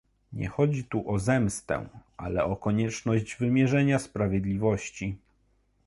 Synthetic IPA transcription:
ɲɛ̰xɔd͡ʑit̪uʔɔzɛmst̪ɛ̰̃ʔa̰lɛɔkɔɲɛt͡ʂnɔʑd͡ʑvɘmʲjɛʐɛɲaspɾavʲjɛd̪lʲivɔɕt͡ɕi

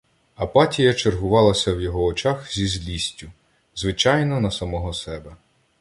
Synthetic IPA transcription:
ɐpɑtʲijɐt͡ʃerɦʊʋɑlˠɐsʲɐwjɔɦɔːt͡ʃɑxzʲizʲlʲisʲtʲːʊ | zʋɪt͡ʃɑjnɔnɐsɐmɔɦɔsɛbɛ

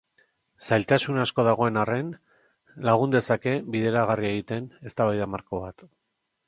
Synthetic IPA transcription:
sajlt̪asunasko̞ðaɣ̞o̞e̞nare̞n | laɣ̞und̪e̞sake̞biðe̞ɾaɣarieɣit̪e̞ne̞st̪aβajðamaɾko̞βat̪

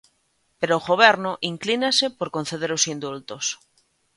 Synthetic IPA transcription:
peɾoːɣoβ̞eɾnoʔiŋklinasepoɾkon̟θeðeɾosind̪ult̪os

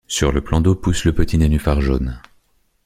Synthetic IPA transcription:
syʁləplɑ̃d̪opusləpət̪inenyfaʁʒo̰n

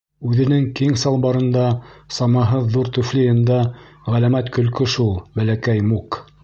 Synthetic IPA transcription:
ʉðɘ̆nɘŋkiŋsɑlˠbɑɾɤ̆nd̪ɑsɑmɑɦɤðːuɾt̪ʉflĭjɘ̆nd̪ɑʁælæmæt̪kɵ̆lkɵʃulˠbælækæjmuk

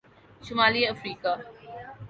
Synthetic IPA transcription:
ʃʊmaːliɐfɾiːkaː

